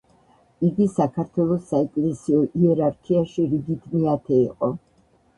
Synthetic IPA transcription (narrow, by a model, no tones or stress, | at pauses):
iɡisakʰaɾt̪ʰwɛlˠɔsːaɛkʼlɛsiɔʔiɛɾaɾkʰiaʃiɾiɡit̪ʰmiat̪ʰɛiqʼɔ